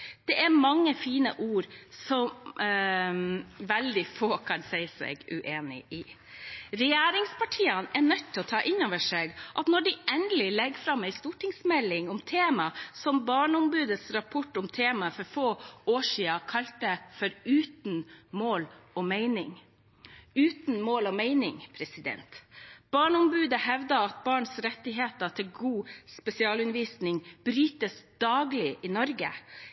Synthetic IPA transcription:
d̪̥ɛʔæɾmɑŋːəfiːnə̰ʔuːɾsɔm | ʋæld̪ɪfoːkʰɑnsɛɪsɛ̰ɡʉ̰ʔeːnɪ̰ʔɪ | ɾɛjæːɾɪŋspʰɑʈʰiːɑnɛɳœt̪ʰːɪlɔt̪ʰɑːʔɪnoːʋəʂeːɡʔɑt̪nɔɖɪʔɛnd̪əlɪlɛɡfɾɑmæɪst̪uːʈʰɪŋsmɛlːɪŋʊmt̪ʰeːmɑsɔmbɑːɳʊmbʉːd̪əsɾɑpʰɔʈːʊmt̪ʰeːmɑəfɔɾfoːoːʂiːɑkʰɑlt̪əfɔɾʉːt̪nmoːlɔmeɪnɪŋ | ʉːt̪nmoːlɔmeɪnɪŋpʰɾɛsɪd̪ɛ̰nt̪b̥ɑːɳʊmbʉːd̪əhɛʋd̪ɑɑt̪̚bɑːɳsɾɛt̪ːɪɦeːt̪ət̪ʰɪlɡuːspɛsɪɑːlʉnʋiːsnɪŋb̥ɾyːt̪əsd̪̥ɑːɡlɪʔɪnɔɾɡə̰

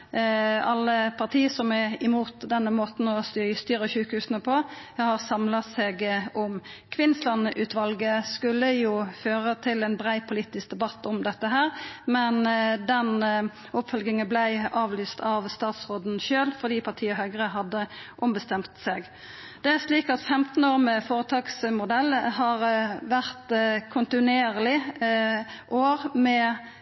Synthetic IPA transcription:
ɑlːəpʰɑʁt̪ʰiːəsɔmɛɪmuːt̪d̪ɛnːəmoːt̪n̩ɔst̪ːst̪yːɾəʃʉːkhʉːsənəpʰɔhɑʁsɑmlɑseːɡɔmkʰʋɪnːəslɑnəʔʉːt̪ʰʋɑlɡəskʉlːəjuːføːʁət̪ʰɪlɛnbʁæɪpʰʊliːt̪ɪsk̚d̪ɛbɑt̪ːɔmd̪ɛt̪ːəɦæːʁmɛnd̪ɛn | ʊpfœlɡɪŋənblæɪɑːʋlyːst̪ʰɑʋst̪ɑːt̪sʁoːd̪n̩ʃøːlfɔʁd̪iːpʰɑʁt̪ʰiːəɦœʏɡʁəɦɑd̪ːəʔʊmbəst̪ɛmt̪seːɡ | d̪̥ɛæʂliːkɑt̪fɛmt̪n̩oːʁməfoːʁət̪ʰɑːksmʊd̪ɛlːhɑʁʋæʁt̪kʰʊnt̪ɪnʉeːʁlɪ | ʔoːʁmɛ

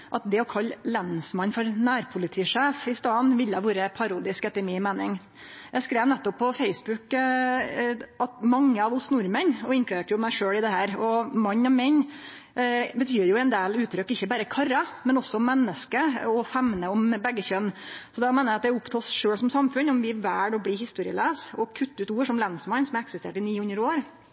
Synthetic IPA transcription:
ʔɑt̪̚d̪ɛɔkʰɑlːlɛnsmɑnfɔɾnæːɾpʰʊlɪt̪ʰiːʂeːfɪst̪ɑːnʋɪlːəɑʋuːɾəpʰɑɾuːd̪ɪskɛt̪ːəɾmiːmeːnɪŋ | jæɪskɾeːʋnɛt̪ːɔpʰːɔfeɪsbʉk | ʔɑt̪mɑŋːəɑʋʊsnʊɾmənɔɪŋklʉd̪eːʈəjʊmæɪʂøːɽɪd̪ɛhæːɾɔmɑɲːɔmɛn | bət̪ʰyːɾjʊɛnd̪eːlʉːt̪ʰːɾʏkːɪçːəbæːɾəkʰɑɾɑmɛnɔsːɔmːɛnːəskəɔfɛmnəɔmbɛɡːəçœnsɔd̪ɛɔmeːnɑɑt̪d̪ɛʊpt̪ʰɑːsʂøːɽsɔmsɑmfʉnɔmʋɪʋæːɖɔbliːhɪst̪uːɾɪə̰leːsɔkʰʉt̪ːʉːt̪uːʂɔmlɛnsmɑnsɔmæɾɛksɪst̪ḛːʈɪniːʉnːəɾoːɾ

